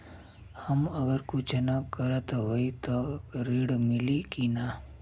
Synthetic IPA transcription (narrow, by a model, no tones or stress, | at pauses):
hɐməɡəɾkʊt͡ʃʰnakəɾət̪ɦoːit̪oɾiːɽmɪlikina